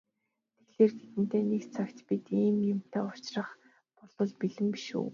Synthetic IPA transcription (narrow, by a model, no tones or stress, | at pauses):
t̪ʰeɣɮeːrɡet̪ɘ̆n̥t̪eːnekt͡sʰakt̪pit̪iːmjʊm̥t̪eːʊt͡ɕrə̆χ | pɔɮɞ̆ɮpiɮɘ̆mpiʃṵː